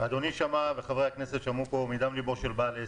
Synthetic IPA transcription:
ad̪oniʃamaveχavʁehakne̞set̪ʃamupo̞mid̪amliboʁʃelbale

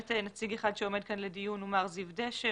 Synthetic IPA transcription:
tenat͡siɡeχad̪ʃeo̞me̞d̚kanledijunumaʁzivdeʃe

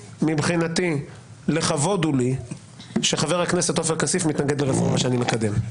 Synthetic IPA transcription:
mibχinat̪i | leχavo̞duli | ʃe̞χaveʁhakne̞set̪o̞feʁkasifmit̪naɡed̪leʁefuʁaʃeanimekad̪e̞m

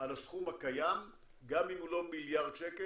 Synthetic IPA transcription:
alasχumhakajam | ɡamimulo̞miljaʁd̪ʃeke

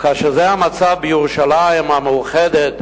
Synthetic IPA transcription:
kaʃɛzɛamat͡savbəjuʁuʃalaɪmamɛuχɛdɛt

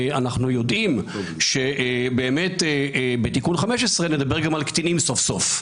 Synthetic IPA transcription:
anaχnujo̞d̪imʃe̞ʔbe̞ːme̞t̪ebet̪ikunχameʃesʁe̞ned̪abe̞ʁɡamalkt̪inimso̞fso̞f

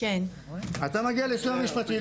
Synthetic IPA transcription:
ken | at̪amaɡialesuamiʃpat̪ʁil

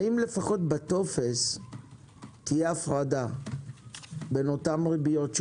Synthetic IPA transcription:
imle̞faχo̞tbato̞fes | tijeafʁada | be̞no̞tamʁibijo̞tʃ

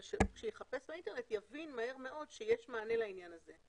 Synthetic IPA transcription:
ʃekʃejeχapesbainte̞net̪javinmahe̞ʁme̞ʔo̞dʃejeʃmaːne̞lainjanaze̞

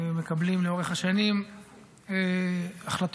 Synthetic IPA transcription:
mekablimleo̞ʁeχhaʃanim | eaχlat̪

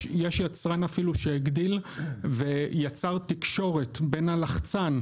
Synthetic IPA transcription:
jeʃjat͡sʁanafiluʃeiɡdilvejat͡saʁt̪ikʃo̞ʁe̞tbe̞nalaχt͡san

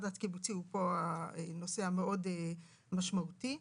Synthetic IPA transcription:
dat̪kibut͡siupo̞aeno̞se̞hameʔo̞de | maʃmauti

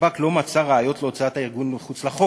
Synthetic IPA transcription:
aklo̞mat͡saʁaajo̞t̪leot͡saataiʁɡuneχut͡slaχo

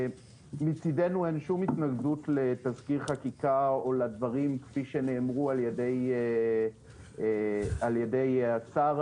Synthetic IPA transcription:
mit͡sidenue̞nʃumitnaɡdutle̞t̪azkiʁχakikaoladvaʁimkfiʃe̞ne̞ːmʁualjede̞j | aljede̞jat͡saʁ

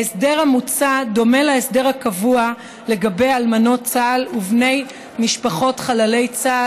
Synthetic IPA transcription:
esde̞ʁhamut͡sado̞me̞laesde̞ʁhakavua | le̞ɡabe̞jalmano̞tt͡saːluvne̞j | miʃpaχo̞tχalale̞jt͡sa

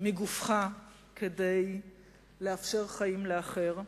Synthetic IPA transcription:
meɡufχa | kʰede̞j | leafʃe̞ʁχaimleaχe̞ʁ

